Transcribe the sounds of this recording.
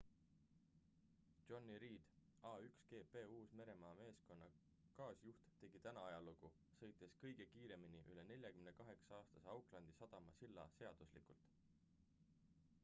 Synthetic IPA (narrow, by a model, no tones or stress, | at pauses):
o̞nːiɾiːd̪̥ɑːykske̞ːpe̞ːuːsme̞ɾe̞mɑːme̞ːsko̞nːɑ | kɑːsjuht̪t̪e̞ɡ̥it̪ænɑɑjɑluɡ̥u | sɤ̞jt̪ːˑe̞skɤ̞jɡ̥e̞kiːɾe̞miniʔyle̞ne̞lʲjɑkymnekɑɦe̞ksɑɑːst̪ɑseɑwklɑnd̪̥isɑd̪̥ɑmɑ̰silːɑ̰se̞ɑd̪̥uslḭkult̪